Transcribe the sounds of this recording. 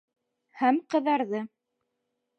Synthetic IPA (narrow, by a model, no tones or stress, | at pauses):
hæmqɤ̆ðɑɾðɤ